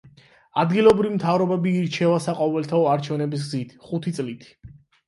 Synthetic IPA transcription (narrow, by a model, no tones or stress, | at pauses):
ad̪ɡilˠɔbɾivimt̪ʰavɾɔbɛbiːɾt͡ʃʰɛvasaqʼɔvɛlt̪ʰaɔaɾt͡ʃʰɛvnɛbis̬ɡzit̪ʰχut̪ʰit̪sʼlit̪ʰi̥